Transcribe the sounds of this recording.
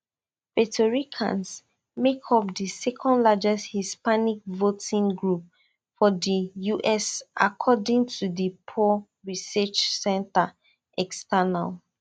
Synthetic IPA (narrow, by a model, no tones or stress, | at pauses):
vɛtʰɔɹikʰã̰ns | mekʰɔpdisɛkʰɔ̃ndlad͡ʒɛsthispanik̚votʰĩŋɡɹup̚ | fɔdijuʔɛsʔa̰kʰɔdĩŋtʰudəpʰɔ | ɹisɛt͡ʃsɛ̃nta | ʔɛkstana̰l